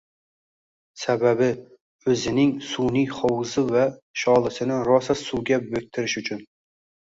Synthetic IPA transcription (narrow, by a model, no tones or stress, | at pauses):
sababɪ | ɵzɪnɪŋsunijχɒwzɪvaʃɒlˠɪsɪnɪɾɒsasuɡʲabɵk̚ʲt̪ʰɪɾɪʃʊt͡ʃʰʊn